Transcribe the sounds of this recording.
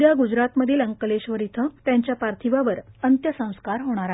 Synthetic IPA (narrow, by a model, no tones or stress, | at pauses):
jaɡud͡ʑɾat̪məd̪ʱːjeləŋkəleɕʋəɾit̪ʰət̪jãɲt͡ɕjapaɾt̪ʰiʋaʋəɾənt̪jəsə̃w̃skaɾɦoɽ̃aɾa